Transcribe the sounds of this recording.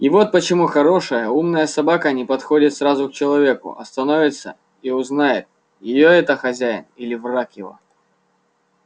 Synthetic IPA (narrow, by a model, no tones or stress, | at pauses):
ivo̞t̪̚pət͡ɕɪmuxɐɾo̞ʂəjəumnəjəsɐbakənʲɪpɐt̪xo̞dʲɪt̪sɾazʊk̚t͡ɕɪlˠɐvʲe̞kʊ̰ʔɐ̰st̪ɐno̞vʲɪt̪sə̰ | iʊznajɪ̰t̪̚ | jɪjoɛt̪əxɐzʲæjɪ̰nilʲɪvrakjɪvo̰